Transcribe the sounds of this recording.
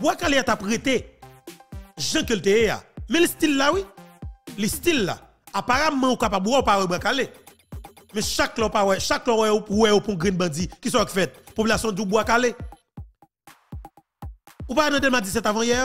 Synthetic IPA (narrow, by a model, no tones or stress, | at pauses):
bwakaleatapɣet̪e | ʒɐ̃keltejea̰mɛ̃listilːawi | listilːa̰ | apaɣamɐ̃ukapabwɛupawɛbwakale | mɛ̃ʃaklɔpawɛʃaklɔwɛowɛjopuɔ̃ɡʁɛ̃nbɐ̃d͡zikis̬ɔakfɛt̪̚popylasjɔ̃d͡zubwakale | upaenãdelmad͡zis̬ɛt̪avãjɛ